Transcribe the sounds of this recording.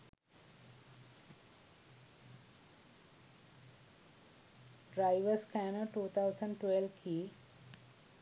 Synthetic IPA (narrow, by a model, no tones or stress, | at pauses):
ɖɾajʋɐskanoʈuːt̪ʰawsɐ̃ɳɖʈwʋelʋkʰi